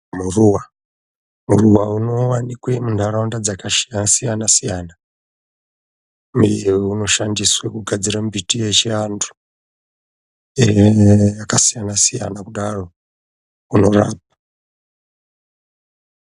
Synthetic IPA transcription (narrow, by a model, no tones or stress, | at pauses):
muruwa | muruwauno̞wanikwemundʱaɾaundad͡zakaʃijasijanasijaːna | muwuno̞ʃandiswekuɡʱad͡ziɾambitijet͡ʃiantʰu̥ | ejakasijanasija̰nakuɗaro̞ | uno̞ra̰ːp̚ḁ